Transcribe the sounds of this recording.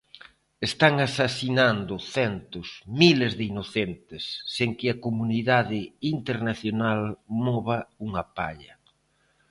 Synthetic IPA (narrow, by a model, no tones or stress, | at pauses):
est̪aŋasasinand̪ʊθɛnt̪ʊsmilezðɪinoθɛnt̪ɪsːeŋkɪɐkomuniðaðɪint̪eɾnaθjonalmɔβɐuŋɐpa̰ʎɐ